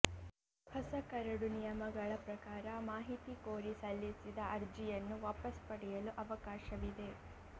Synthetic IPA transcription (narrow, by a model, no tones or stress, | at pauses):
hɐsɐkɐɾɐɽunijɐmɐɡɐɭɐpɾɐkaːɾɐmaːɦit̪ikoːɾisɐlːisid̪ɐʔɐɾd͡ʒijɐnːuʋaːpɐspɐɽɛjɐluʔɐʋɐkaːʃɐʋid̪e̞